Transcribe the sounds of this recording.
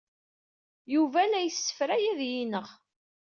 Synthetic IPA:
juvælæjəsːə̥fɾæjæðjinəʁ

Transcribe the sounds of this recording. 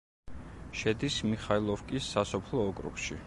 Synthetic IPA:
ʃɛd̪ismiχailˠɔfkʼisːasɔpʰlˠɔːkʼɾṵkʃḭ

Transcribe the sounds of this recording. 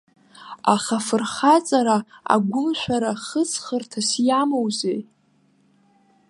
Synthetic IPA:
aχafɨrχat͡sʼaɾaa̰ɡʷʊmʃʷᶣaɾaχət͡sʰʼχərtʰasjamowzej

